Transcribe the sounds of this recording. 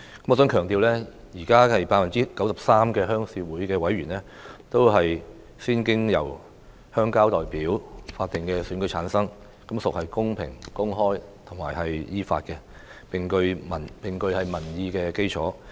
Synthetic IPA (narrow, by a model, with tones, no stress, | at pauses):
kɐ˨˥mɔː˨˧s̬œː˨˥ŋkʰœː˨˩ŋt̪iː˨wlɛː˥ | jiː˨˩kaː˥hɐ˨jpaː˧tfɐ˨˩nt͡siː˥kɐ˨˥wsɐ˨p̚saː˥mkɛː˧ɦœː˥ŋsiː˧wuː˨˥jkɛː˧wɐ˨˥jɥyː˨˩nlɛː˥ | t̪o˥wɦɐ˨j | siː˥nkɪ˥ŋjɐ̰˨˩w | hœː˥ŋkaː˥wt̪ɔː˨jpiː˨˥wfaː˧t̚t̪ɪ˨ŋkɛː˧syː˨˥nkɵ˧˥jt͡ʃʰaː˨˥nsɐ˥ŋ | kɐ˨˥msʊ˨k̚hɐ˨jkʊ˥ŋpʰɪ̰˨˩ŋkʊ˥ŋɦɔː˥jt̪ʰʊ˨˩maː˨˩jɦɐ˨jjiː˥fa̰ː˧t̚kɛ˧ | pɪ˨ŋkɵ˧ɥmɐ˨˩npɪ˨ŋkɵ˧ɥhɐ˨jmɐ˨˩njiː˧kɛː˧ke˥jt͡sʰɔ̰ː˨˥